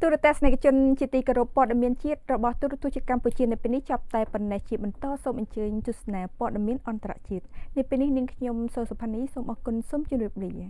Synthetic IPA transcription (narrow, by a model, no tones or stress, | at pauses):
t̪uəɾiət̪ɛəhsnakʰt͡ɕʊ̆ənt͡ɕiət̪iːkoɾupːoɔəɗemiənt͡ɕiət̪̚rɔɓɑht̪uɾt̪uət͡ɕiət̪̚kamput͡ɕiənɨpeːlniht͡ɕŏp̚t̪aɛponːɛht͡ɕiəɓɑnt̪ɑːsoːmʔɑɲt͡ɕəːɲt̪uəhsnaːpoəɗamiənʔɑnt̪ra̰ʔt͡ɕiət̪̚nɨwpeːlnihniəŋkʰɲomsoːsopʰaniːsoːmʔɑːkunsoːmt͡ɕŭəmriəp̚liːi